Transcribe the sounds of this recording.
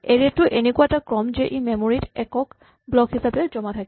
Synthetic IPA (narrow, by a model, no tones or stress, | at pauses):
eɹɛtʊʔenekuwatakɹɔmzɛʔimemoɹitɛkɔk | blɔkhisabɛd͡ʒɔmatʰak